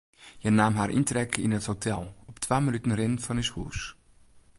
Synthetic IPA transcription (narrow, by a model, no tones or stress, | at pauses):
jənaːmɦaːɾʔḭntrɛkʰḭnəthotʰɛlˠɔptʰʋaːmənytən̩rɪnfɔnishṵːs